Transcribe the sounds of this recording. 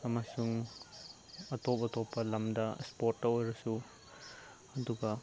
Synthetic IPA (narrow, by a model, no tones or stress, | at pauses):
ɐmasuŋ | ɐtop̚ɐtopːɐlɐmdɐ̰spoɾtːɐojɾɐsu | ɐduɡɐ